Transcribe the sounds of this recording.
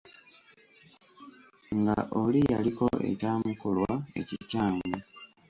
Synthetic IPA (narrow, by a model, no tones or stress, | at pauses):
ŋɡaʔolija̰liko̞ʔe̞̰caːmukolwae̞̰cicaːŋɡu